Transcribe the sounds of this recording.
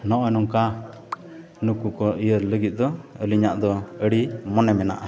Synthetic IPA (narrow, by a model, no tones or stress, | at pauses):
nɔʔɔjnɔŋka | nukukɔʔijəɾləɡit̪̚ˀd̪ɔəliɲaʔd̪ɔəɽimɔnɛmɛna̰ʔa